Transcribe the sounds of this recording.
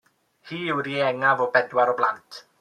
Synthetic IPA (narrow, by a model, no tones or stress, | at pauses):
hiːɪwɾiɛŋavɔbɛdwaɾɔblˠantʰ